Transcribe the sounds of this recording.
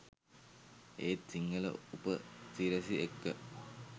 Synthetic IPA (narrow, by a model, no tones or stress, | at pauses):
eːt͡siŋɡɐlə̰upətiɾɐsiekːə